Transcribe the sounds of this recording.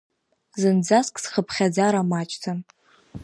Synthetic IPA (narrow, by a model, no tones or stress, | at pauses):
zɨnd͡zaskʼsχəpʰχʲad͡zaɾamat͡ʃʼtʰa